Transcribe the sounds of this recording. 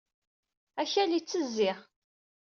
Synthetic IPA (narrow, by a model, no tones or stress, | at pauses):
æçælit͡sːəzːɪʁ